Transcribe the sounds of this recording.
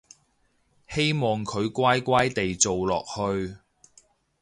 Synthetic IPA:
he˥jmɔː˨ŋkʰɵ˨˧ɥkʷaː˥jkʷaː˥jt̪e˨jt͡so˨wlɔ̰ː˨k̚hɵ˧ɥ

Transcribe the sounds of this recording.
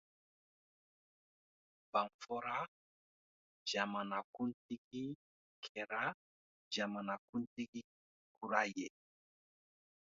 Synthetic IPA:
b̥a˨ŋfɔ˦ɾa˦ | d͡ʒa˨ma˨na˨ku˦nti˦ki˦ | kʰɛ˨ɾa˦ | d͡ʒa˨ma˨na˨ku˦nti˦ki˦ | ku˨ɾa˦jɛ˨

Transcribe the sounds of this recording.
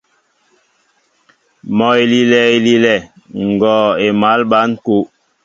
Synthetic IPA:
mɔ˨i˨li˨lɛ˨i˨li˨lɛ˨ | ŋ̩˨ɡɔː˨e˨ma˨˦lɓa˨˦n˦ku˦

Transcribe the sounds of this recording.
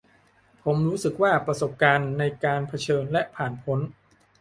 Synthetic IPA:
pʰo˩˦mɾuː˦˥sɯ˨˩k̚waː˥˩pɾa˧so˨˩p̚kaː˧nːa˧jkaː˧npʰa˧t͡ɕʰɤː˧nlɛ˦˥ʔpʰaː˨˩npʰo˦˥n

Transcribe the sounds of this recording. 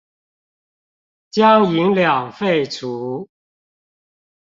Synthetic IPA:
t͡ɕjɑ˥ʊi˧˥ŋljɑ˨˩ŋfe˥˩ɪt͡sʰu˨˦

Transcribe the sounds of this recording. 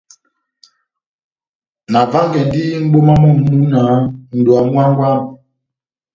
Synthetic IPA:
na˨va˦ŋɡɛ˨ndi˦m̩˦ɡ͡bo˦ma˦mɔ˦˨mu˦na˨˦n̩˨du˨a˨mwa˦ŋ˦ɡwa˦˨n˨

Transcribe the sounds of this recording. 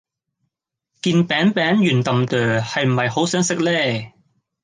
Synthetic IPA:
kiː˧npɛː˨˥ŋpɛː˨˥ŋjyː˨˩nt̪ɐ˨mt̪œː˨˩hɐ˨jm̩˨˩hɐ˨jho˨˥wsœː˨˥ŋsɪ˥k̚lɛː˥˩

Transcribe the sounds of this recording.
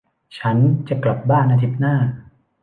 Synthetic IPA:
t͡ɕʰa˦˥nt͡ɕa˨˩kla˨˩p̚baː˥˩nʔa˧t̪ʰi˦˥p̪̚naː˥˩

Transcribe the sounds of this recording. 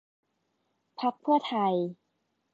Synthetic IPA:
pʰa˦˥k̚pʰɯ˥˩ɐt̪ʰa˧j

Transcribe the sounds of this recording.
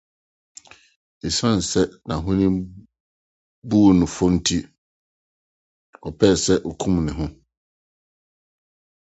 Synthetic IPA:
e˨sã˦n̩˨sɛ˦nã˨ɦʊ̃˦nɪ̃˦ | bu˦o˨nʊ̃˨fʊ˦n̩˦tʰi˦ | ɔ˨pʰɛː˦˨sɛ˦ʔo˨kʰũ˦mnɪ̃˨ɦʊ̃˦

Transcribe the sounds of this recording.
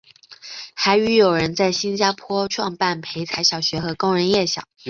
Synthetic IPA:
xa˧˥ɪy˧˥jo˨˩ʊɻə˧˥nt͡sa˥˩ɪɕi˥nt͡ɕja˥pʰwɔ˥ʈ͡ʂʰwɑ˥˧ŋpa˥˩npʰe˧˥ɪt͡sʰa˧˥ɪɕjɑ˨˩ʊɕɥɛ˧˥xɤ˧˥kʊ˥ŋɻə˧˥njɛ˥˩ɕjɑ̰˨˩˦

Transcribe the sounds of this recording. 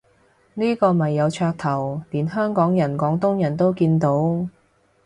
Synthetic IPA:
niː˥kɔː˧mɐ˨˩jːɐ˨˧wt͡ʃʰœː˧k̚t̪ʰɐ˨˩wliː˨˩nɦœː˥ŋkɔː˨˥ŋjɐ˨˩nkɔː˨˥ŋt̪ʊ˥ŋjɐ˨˩nt̪o˥wkiː˧nt̪o˨˥w

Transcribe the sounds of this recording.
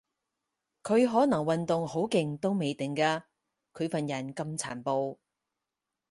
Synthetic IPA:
kʰɵ˨˧ɥɦɔː˨˥nɐ˨˩ŋwɐ˨nt̪ʊ˨ŋho˨˥wkɪ˨ŋt̪o˥wme˨˧jt̪ɪ˨ŋkaː˧ | kʰɵ˨˧ɥfɐ˨njɐ˨˩nkɐ˧mt͡sʰaː˨˩npo˧w

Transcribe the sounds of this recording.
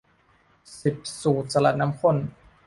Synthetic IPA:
si˨˩p̚suː˨˩t̪̚sa˧la̰˨˩t̪̚na˦˥mkʰo˥˩n

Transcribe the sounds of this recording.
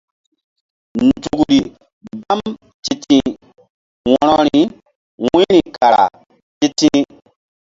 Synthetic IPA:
n̩˨tu˨ɡu˨ɾi˨ | ba˦m | ti˦tĩ˦ | wɔ˦nɔ˦ɾi˨ | wĩ˦ɾi˨ka˨ɾa̰˨ | ti˦tĩ˦

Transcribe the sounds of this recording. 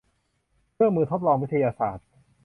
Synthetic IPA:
kʰɯ˥˩mːɯː˧t̪ʰo˦˥p̚lɔː˧ŋwi˥t̪ʰa˧jaː˧saː˨˩t̪̚

